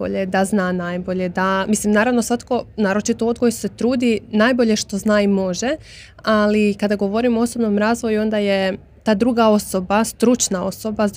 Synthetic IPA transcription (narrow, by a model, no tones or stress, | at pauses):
o̰ʎed̪aznaːnaːjbo̞ʎed̪amislimnaːɾaʋnosʋat̪ko̞naːɾo̞t͡ʃit̪ood̪ɡo̞jese̞t̪ɾuːd̪inaːjbo̞ʎe̞ʃt̪o̞znaːimo̞ʒe | alikad̪aɡo̞ʋo̞ɾimo̞oso̞bno̞mɾaːzʋo̞juo̞nd̪aje | t̪aːd̪ɾuːɡao̞so̞bast̪ɾut͡ʃnao̞̰so̞ba